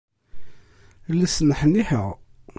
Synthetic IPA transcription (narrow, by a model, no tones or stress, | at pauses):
lːæsnəħənːiħəʁ